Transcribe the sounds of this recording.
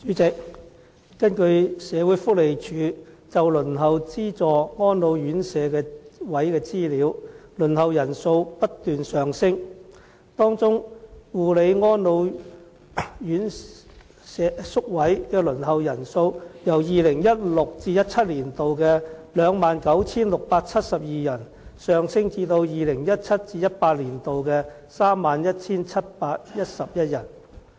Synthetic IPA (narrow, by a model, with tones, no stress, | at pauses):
t͡ʃyː˨˥t͡sɪ˨k̚ː | kɐ˥nkɵ˧ɥsɛː˨˧wuː˨˥jfʊ˥k̚le˨jt͡ʃʰyː˨˧˥ | t͡sɐ˨wlɵ˨˩nɦɐ˨wt͡siː˥t͡sɔː˨ŋɔː˥nlo˨˧wjyː˨˥nsɛː˨˧kɛː˧wɐ˨˥jkɛː˧t͡siː˥liː˨˧˥wlɵ˨˩nhɐ˨wjɐ˨˩nso˧wpɐ˥t̚t̪yː˨nsœː˨ŋsɪ˥ŋ | t̪ɔː˥ŋt͡sʊ˥ŋwuː˨˩le˨˧jŋɔː˥nlo˨˧w | jyː˨˥n | ɛ˨sʊ˥k̚wɐ˨˥jkɛː˧lɵ˨˩nhɐ˨wjɐ˨˩nso˧wjɐ˨˩wjiː˨lɪ˨˩ŋjɐ˥t̚lʊ˨k̚t͡siː˧jɐ˥t̚t͡sʰɐ˥t̚liː˨˩nt̪o˨wkɛː˧lœː˨˧ŋmaː˨nkɐ˨˥wt͡sʰiː˥nlʊ˨k̚paː˧k̚t͡sʰɐ˥t̚sɐ˨p̚jiː˨jɐ˨˩n | sœː˨ŋsɪ˥ŋt͡siː˧t̪o˧wjiː˨lɪ˨˩ŋjɐ˥t̚t͡sʰɐ˥t̚t͡siː˧jɐ˥t̚paː˧t̚liː˨˩nt̪o˨wkɛː˧ | saː˥mːaː˨njɐ˥t̚t͡sʰiː˥nt͡sʰɐ˥t̚paː˧t̚jɐ˥t̚sɐ˨p̚jɐ˥t̚jɐ˨˩n